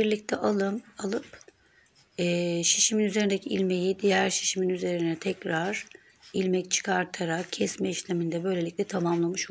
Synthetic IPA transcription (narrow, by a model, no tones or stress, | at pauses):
biɾlʲic̚t̪ʰɛʔalˠɯmalˠɯp | ɛːʃi̥ʃiminyzeɾind̪ecʰiilʲme̞jid̪ijæɾʃi̥ʃiminyze̞ɾinɛt̪ʰɛcɾaɾ̥ | ilʲmɛct͡ʃʰɯ̥kʰaɾt̪ʰaɾak̚cʰɛsmɛiʃlʲemind̪ɛbø̞jlʲe̞lʲic̚lʲɛt̪ʰamamlˠamɯʃo